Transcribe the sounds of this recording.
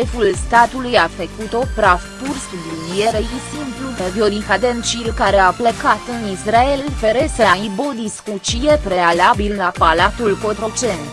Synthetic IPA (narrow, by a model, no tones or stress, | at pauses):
efulst̪at̪ulujafəkut̪o̞pɾafpursublinieɾejisimplud̪evjoɾixad̪ent͡ʃilkaɾe̞apləkat̪ɨnisɾaelfeɾeseaibod̪iskut͡ʃije̞pɾe̞alabilːapalat̪ulko̞t̪ɾo̞t͡ʃe̞nt̪